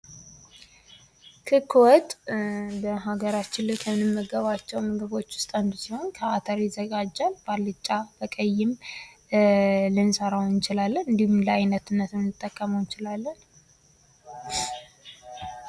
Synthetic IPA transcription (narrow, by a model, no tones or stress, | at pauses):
kʰɨkʰːwɔt̪ʼbəɦaɡəɾat͡ʃːɪnlɨkʰəmɨnɨmːəɡəβat͡ʃːɛwmɨɡɨβo̞t͡ʃːwʊ̥st̪ʼand̪usiho̞nkʰəat̪ʰəɾjɪzːəɡad͡ʒːalbalːɨt͡ʃʼːab̥əkʼəjːɪm | lɨnsəɾawɨnt͡ʃɪlalːənɨnd̪ihumləajnət̪ɨnːət̪mɨnːɨt̪ʼːəkʼːəməwjt͡ʃɪlalːən